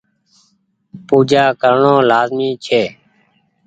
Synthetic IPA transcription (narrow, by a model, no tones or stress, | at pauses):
puːd͡ʒaːkəɾɳõːlaːzmiːt͡ʃʰeː